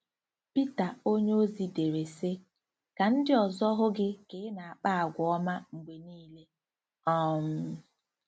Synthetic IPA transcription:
pi˦ta˨o˦ɲe˦o˦zi˨de˨ɾe˨se˦ | ka˨n̩˦dɪ˦ɔ˨zɔ˦ɦʊ˦ɡɪ˦kɪ˨ɪ˦na˨a˨k͡pa˦a˨ɡʷɔ˦ma˦ŋ͡m̩˨ɡ͡be˨niː˦le˦ | ɔ˦m̩˦

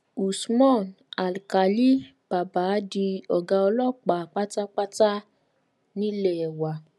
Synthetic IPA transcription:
u˨smɔ̃˦˨n | a˨lka˨li˦ | b̥a˨ba˨˦di˧ɔ˨ɡa˧ɔ˧lɔ˦˨˦k͡pa˨k͡pa˦ta˦k͡pa˦ta˦ | nĩ˦le˦˨ɛ˨wa˨

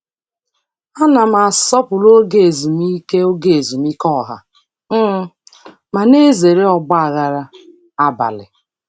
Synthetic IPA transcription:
a˦na˨ma˨sɔ˦pʊ˨lo˦ɡe˦˨e˨zu˨m˦i˦ke˦o˦ɡe˨e˨zu˨mi˦kɔ˦ɦa̰˨ | m̩˦ | ma˨ne˦ze˨ɾe˦ɔ˨ɡ͡ba˦a˨ɣa˨ɾa˦ | a˦ba̰˨lɪ̰˨

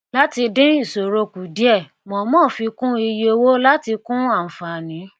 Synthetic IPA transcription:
la˦ti˧dĩ˦i˦˨so˨ɾo˧ku˨di˦ɛ˦˨ | mɔ̃˨mɔ̃ː˦˨fi˧kũ˦i˧je˧˦˧wo˦la˦ti˧kũ˦a˦˨fa˨nĩ˨˦

